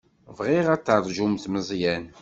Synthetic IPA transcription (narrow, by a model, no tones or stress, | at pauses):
vʁiʁæt͡sːəɾˤʒumθməzˤjæn